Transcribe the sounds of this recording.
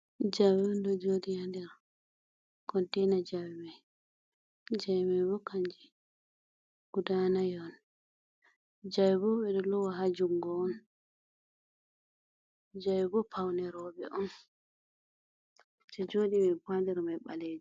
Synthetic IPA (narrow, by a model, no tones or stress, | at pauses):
d͡ʒawɛɔndɔd͡ʒodijandɛɾ | kʰɔntɛjnad͡ʒawimaj | d͡ʒajmajbɔkʰaɲd͡ʒi | ɡ̥udanajɔn | d͡ʒawbɔɓɛɗɔlɔwaɦad͡ʒuŋɡɔːn | d͡ʒawbɔpʰawnɛɾɔɓɛ̰ʔɔn | t͡ʃɛd͡ʒoːdimɛpandɛɾmajɓaled͡ʒi